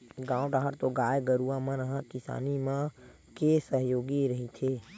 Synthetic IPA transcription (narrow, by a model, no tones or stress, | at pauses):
ɡãːʊ̃ʈaɦəɾt̪oːɡaːjɡəɾuːãːmãnəɦãkɪsa̰ːnimãː | keːsəɦjoːɡiɾəɦit̪ʰeː